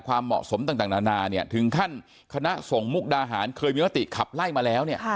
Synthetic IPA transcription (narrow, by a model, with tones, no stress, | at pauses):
kʰwaː˧mːɔ̰˨˩so˩˦mt̪aː˧˩ŋt̪aː˨˩naː˧naː˧ni˥˩ɐt̪ʰɯ˩˦ŋkʰa˥˩n | kʰa˧na˦˥so˨˩˦ŋmu˦˥˩k̚daː˧ɦaː˩˦nkʰɤː˧jmiː˧ma˦˥t̪ḭ˨˩kʰa˨˩p̚la˥˩jmaː˧lɛː˦˥wni˥˩